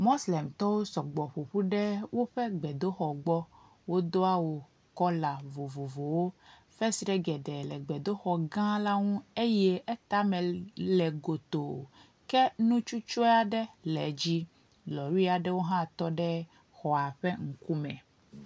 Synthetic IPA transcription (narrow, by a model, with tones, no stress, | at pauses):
mo˦slɛ˨mt̪ɔ˦wo˦sɔ˨ɡ͡bɔ˨ɸo˨ɸu˦ɖɛ˦wo˦ɸɛ˦ɡ͡bɛ˨d̪o˦xɔ˨ɡ͡bɔ˦ | wo˦d̪o˦a˦wo˨ | kɔ˦la˨vo˨vo˨vo˨wo˦ | fɛ˦si˨ɖɛ˦ɡɛ˨ɖɛ˨lɛ˨ɡ͡bɛ˨d̪o˦xɔ˨ɡã˦la˦ŋũ˦e˦jɛ˦ɛ˦t̪a˦mɛ̃˨lɛ˨ɡo˨t̪o˨ | kɛ˦nũ˦t͡ʃu˦t͡ʃo˦a˨ɖɛ˦lɛ̰˨d͡ʑi˦ | lɔ˨wi˦a˨ɖɛ˦wo˦ɦã˦t̪ɔ˦ɖɛ˦ | xɔ˨a˨ɸɛ˦ŋ̩˨ku˦mɛ̰̃˨